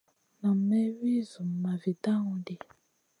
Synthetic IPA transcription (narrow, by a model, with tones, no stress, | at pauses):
na˨mɛ˦wi˦zu˨mː˨a˨vi˨ta˦ŋũ˨de˨